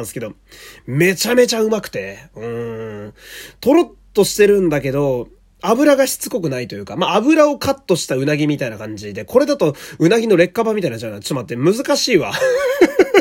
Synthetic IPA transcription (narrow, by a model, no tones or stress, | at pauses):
sɨ̥ke̞d̪o̞ | me̞t͡ɕame̞t͡ɕaɯ̟makɯ̟̥t̪e̞ɯ̟̃ɴ | t̪o̞ɾo̞t̪ːo̞ɕi̥t̪e̞ɾɯ̟̃nd̪ak̬e̞d̪o̞ | abɯ̟ɾaɡaçi̥t͡sɨko̞k̬ɯ̟nait̪o̞jɯ̟ːkamaːbɯ̟ɾao̞kat̪ːo̞ɕi̥t̪aɯ̟naɡʲimʲit̪ainakãɲ̟d͡ʑid̪e̞kʰo̞ɾe̞d̪at̪o̞ɯ̟naɡʲino̞ɾe̞kːabamʲit̪ainat͡ɕanat͡sɨmat̪ːemɯ̟zɨkaɕiːβa̰